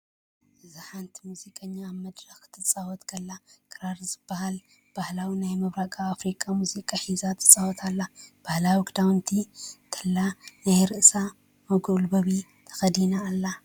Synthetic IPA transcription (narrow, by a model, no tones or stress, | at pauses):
zaħant̪ʰimuzikʼɐɲːaːβmɐd̪ɾɐxt̪ʰɨt͡sʼawɔt̪kʰɐlːakʼɨɾaɾzɨb̥ːɐhal | b̥ahlawinajmɐβɾakʼaafɾikʼamuzikʼaħizat̪ʰɨ̥t͡sʼawɔt̪ʰalːab̥ahlawiɡd̪awnt̪ʰit̪ʰɐlːanajɾɨʔsa | mɐɡolbɐβi | t̪ʰɐ̥xɐd̪inaːlːa